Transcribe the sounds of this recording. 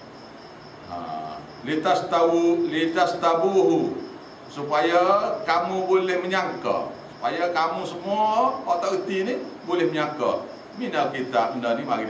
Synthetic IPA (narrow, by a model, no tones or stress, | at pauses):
a̰ | lit̪ast̪abulit̪ast̪abuɦu | supajakamubolɛhməɲaka̰su̥pajakamusəmuaːt̪awət̪inihbolɛhməɲaka̰ | minakit̪aʔəndənimaɡi